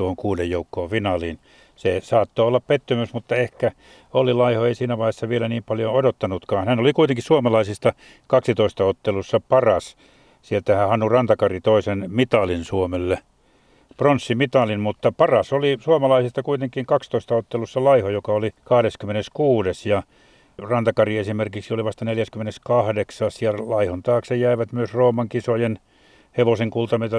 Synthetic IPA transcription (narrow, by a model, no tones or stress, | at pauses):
uohoŋkuːdejjoukːoːʋfinɑliːn | sesɑːt̪ːoolːɑppet̪ːymysmut̪ːɑehkæ | olilɑihoeisiːnæʋɑihesːɑʋielæniːmpɑljoodot̪ːɑnut̪kɑːnhænolikuit̪eŋkissuomɑlɑisist̪ɑ | kɑksit̪oist̪ɑot̪ːelusːɑpɑrɑs | sielt̪æhæhɑnːurɑnt̪ɑkɑrit̪oisenmit̪ɑlinsuomelːe | pronsːimit̪ɑlinmut̪ːɑpɑrɑsolisuomɑlɑisist̪ɑkuit̪eŋkiŋkɑkst̪oist̪ɑot̪ːelusːɑlɑihojokɑolikɑhdeskymːeneskuːdesjɑ | rɑnt̪ɑkɑriesimerkiksioliʋɑst̪ɑneljæskymːeneskɑhdeksɑːsjɑlɑihont̪ɑːksejæiʋæt̪myøsroːmɑŋkisojen | heʋoseŋkult̪ɑmet̪ɑ